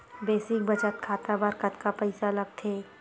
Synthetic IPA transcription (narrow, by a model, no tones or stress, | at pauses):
beːsɪ̃kbɐt͡ʃət̪̚kʰaːt̪abaɾkɐt̪kapɐɪsalɐɡ̚t̪ʰeː